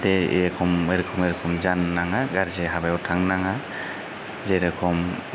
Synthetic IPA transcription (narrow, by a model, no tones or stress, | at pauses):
dɛ̰jakʰɔmeɾkʰɔmeɾkʰɔmzanːaŋaɡaɾzeɦabajɔtʰaŋnaŋa | zejɾakʰɔm